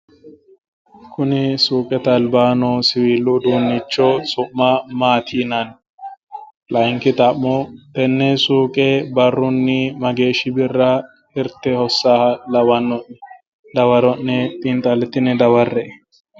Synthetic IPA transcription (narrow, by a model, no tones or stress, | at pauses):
kʰʊnɪsuːkʼɛt̪ɐlbaːnɔsɪwiːlːʊd̪uːnːɪt͡ʃːɔsʊʔːɐmaːt̪ʰiːnɐn | lɐjŋkɪt̪ʼɐʔːɔt̪ɛnːɛsuːkʼɛbɐrːʊnːɪmɐɡeːʃɪbɪrːɐ | ɪɾt̪ːɛhɔsːaːhɐlɐwɐnːɔʔːɛ | d̪ɐwɐɾɔnːɛpʼɪnt̪ʼɐlɛt̪ːɪnːɛd̪ɐwɐrːɛʔ